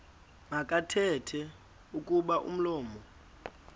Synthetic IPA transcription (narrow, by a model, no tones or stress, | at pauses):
ŋakʼatʰɛtʰɛ | ukʼuɓaʔṵm̩lɔːmɔ